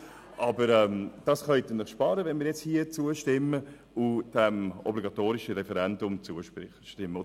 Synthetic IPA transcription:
ʔɑbəɾɛmd̥ɑsχœʏtənəχʃpɑːɾəvɛnmiːɾjɛt͡shiːət͡suəʃtɪmə | ʊd̥ɛmɔ̰bliɡɑtoːɾɪʃəɾɛfɛɾɛndʊmt͡suəʃɪ | ʃtɪmːə

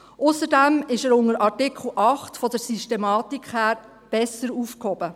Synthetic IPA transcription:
ʔʊsəɾdæmɪʃəɾʊŋəɾʔɑɾtɪkʰχl̩ʔɑχtfɔdəɾsyʃtemɑːtikχhæːɾ | b̥ɛsəɾufkhɔb̥ə

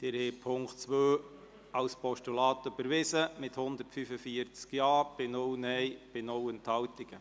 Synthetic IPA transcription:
d̥ɪɾhɛːpʰʊŋktt͡sʋøː | ɑwspʰɔʃtulɑːt̪ʏb̥əɾʋɪsəmɪt̪hʊnd̪ərtfyfəfiəɾt͡skjɑːb̥ɪnʊwnɛjb̥ɪnʊwənt̪hɑwt̪ɪɡ̥ə

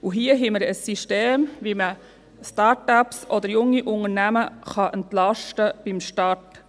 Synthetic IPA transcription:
uɦiəɦɛməɾəsːiʃteːmʋimə | stɑːɾtapsʔɔd̪əɾjʊŋːiʔʊŋənæməχɑʔəntlɑʃtəb̥imʃtɑɹt

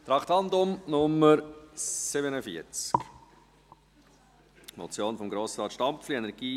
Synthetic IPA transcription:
t̪ɾɑkt̪ɑndʊmnʊmːəɾsɪbənəfiəɾt͡skk | mɔ̰t͡sjoːnfɔmɡɾoːsɾɑːt̪ʃtɑmfliɛnɛɾɡ̥iː

